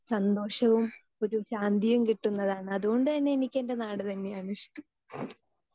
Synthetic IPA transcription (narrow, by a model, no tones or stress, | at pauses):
sɐnd̪o̞ːʂɐʋum | o̞ɾuɕaːnd̪ijumkiʈːunːɐðaːɳɨɐðuɣo̞ɳɖɨtɐnːeenikʲːe̞nde̞naːɽɨt̪ɐnːejaːɳiʂʈu